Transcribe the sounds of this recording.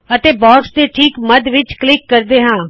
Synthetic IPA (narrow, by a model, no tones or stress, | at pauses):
ət̪eːbɔːksd̪eːʈʰiːkməd̪ʋɪt͡ʃklɪkːəɾd̪eːɦãː